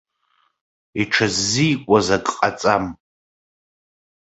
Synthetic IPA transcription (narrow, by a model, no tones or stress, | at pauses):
iʈ͡ʂʰazːijkʷʼazakʼqʼat͡sʼam